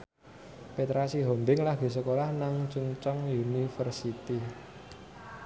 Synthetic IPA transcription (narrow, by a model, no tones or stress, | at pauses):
pet̪ɾasiɦɔmbɪŋlaɡ̥i̤s̬əkolahnaŋt͡ʃuŋt͡ʃɔŋjunifərsit̪i